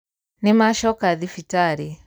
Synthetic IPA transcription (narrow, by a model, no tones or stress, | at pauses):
nimaʃɔkaðifitaɾi